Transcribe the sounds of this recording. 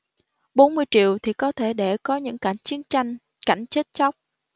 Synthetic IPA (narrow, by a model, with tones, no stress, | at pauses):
ɓo˨˦nmɨ˧əjt͡ɕḭ˧˨əwt̪ʰi˨˩kɔ˨˦t̪ʰe˧˩ɗe˧˩kɔ˨˦ɲɨ̰˧˥ŋka˧˩jŋ̟t͡ɕi˨˦ənt͡ɕa˧jŋ | ka˧˩jŋ̟t͡ɕe˦˥t̚t͡ɕa˦˥wk͡p̚